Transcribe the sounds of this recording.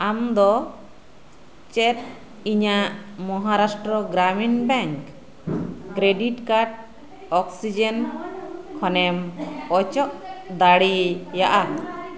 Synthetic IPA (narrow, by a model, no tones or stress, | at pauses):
amd̪ɔ | t͡ʃɛt̪ | iɲaʔmɔɦaɾasʈɾɔɡɾaminbɛŋkː | ɾeɖiʈkaɾʈ̚ | ɔksid͡ʒen | kʰɔnɛmɔt͡ʃɔʔd̪aɽijaʔa